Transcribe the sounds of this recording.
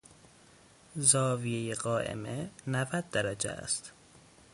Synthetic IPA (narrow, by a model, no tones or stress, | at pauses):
zɒːvijejeɣɒːʔḛmenævæd̪̚ːæɾæd͡ʒḛæ̰st̪